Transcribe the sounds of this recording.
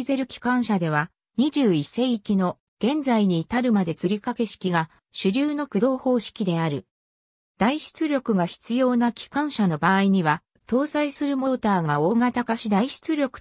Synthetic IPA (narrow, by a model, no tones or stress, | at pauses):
ze̞ɾɯ̟kʲi̥kãɰ̃ɕad̪e̞β̞a | ɲ̟iʑɨːise̞ikʲino̞ | ɡ̥ẽ̞nd͡zaiɲ̟iːt̪aɾɯ̟mad̪e̞t͡sɨɾʲikake̞ɕi̥kʲiɡa | ɕɨɾʲɨːno̞kɯ̟d̪o̞ːho̞ːɕi̥kʲid̪e̞aɾɯ̟ | d̪̥aiɕi̥t͡sɨɾʲo̞kɯ̟ɡaçi̥t͡sɨjo̞ːnakʲi̥kãɰ̃ɕano̞baːiɲ̟iβa | t̪o̞ːsaisɨɾɯ̟mo̞t̪aːɡao̞ːŋat̪akaɕid̪aiɕi̥t͡sɨɾʲo̞kɯ̥